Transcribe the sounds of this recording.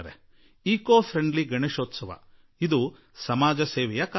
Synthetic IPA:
ɐɾe | iːkoːpʰɾeɳɖliɡɐɳeʃoːt̪sɐʋɐ̰ | id̪u | sɐmaːd͡ʒɐseːʋɛjɐk

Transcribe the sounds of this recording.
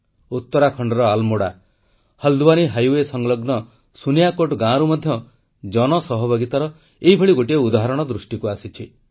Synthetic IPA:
ut̪ːɔɾakʰɔɳɖɔɾɔalmoɽa | həld̪ubaniɦajwesɔŋlɔɡnɔ | sunijakoʈɡãɾumɔd̪ʱjɔ | d͡ʒɔnɔsɔɦɔbʱaɡit̪aɾɔ | eɦibʱeɭiɡoʈieud̪aɦaɾɔɽ̃ɔd̪ɾusʈikuasit͡ʃʰi

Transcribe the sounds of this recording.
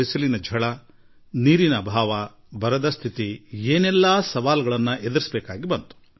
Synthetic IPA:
isɐlinɐd͡ʒʱɐɭɐ | niːɾinɐbʱaːʋɐ | bɐɾɐd̪ɐst̪ʰit̪ieːnɛlːaːsɐʋaːlɐɡɐɭɐnːɐʔed̪ɐɾisbɛːkaːɡibɐnt̪u̥

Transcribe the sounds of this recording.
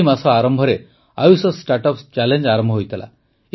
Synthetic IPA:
imasɔaɾɔmbʱɔɾe | a̰jusɔsʈaɾʈɔpst͡ɕɛleɲd͡ʒaɾɔmbʱɔɦojt̪lʔa̰

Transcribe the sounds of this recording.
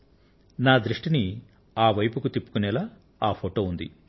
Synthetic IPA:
naːd̪ɾuʂʈini | aːʋɐjpukut̪ipːu̥kunɛlaː | aːpʰoːʈo̞ːund̪ḭ

